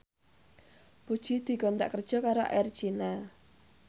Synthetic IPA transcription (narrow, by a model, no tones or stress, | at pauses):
b̥ud̥ʒ̥id̪̥i̤ɡɔnd̪a̰ʔkər̥ʒ̥ɔ̤kaɾo̰ʔɛrd̥ʒ̥ina